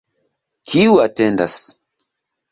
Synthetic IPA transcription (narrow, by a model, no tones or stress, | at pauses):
kʰiwatɛnda̰s